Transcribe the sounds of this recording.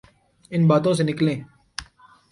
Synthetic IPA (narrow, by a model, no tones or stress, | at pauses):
ɪnbaːt̪õsenɪklẽː